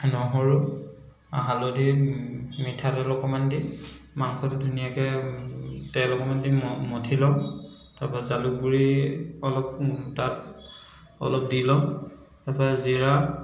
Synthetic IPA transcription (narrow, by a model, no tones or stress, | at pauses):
nɔɦɔɹu | a̰ɦalodi | mitʰatɛlɔkɔmandi | maŋkʰɔtudʱunijakɛ | tɛlɔkɔmandimmotʰilɔ | taɹpazaluɡuɹiɔlɔp̚tat | ɔ̰lɔp̚dilɔ | taɹpaziɹa